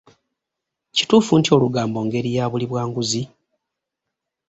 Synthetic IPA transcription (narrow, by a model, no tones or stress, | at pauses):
ci̥tuːfuntio̞luɡaːmbo̞ːŋɡe̞ɾijaːβuliβwaːŋɡuzi